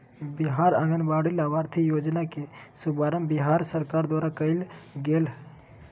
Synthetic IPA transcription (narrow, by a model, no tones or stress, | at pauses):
bɪɦaːɾəŋɡənbaːɽilaʋaːɾt̪ʰijoːd͡ʒnakesubaːɾəmbɪɦaːɾsəɾkaːɾd̪waːɾakəɪlɡeːl